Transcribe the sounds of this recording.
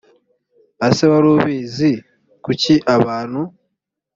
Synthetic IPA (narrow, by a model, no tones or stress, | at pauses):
aseβaɾoːβiːzi | kuciʔaβaːn̤u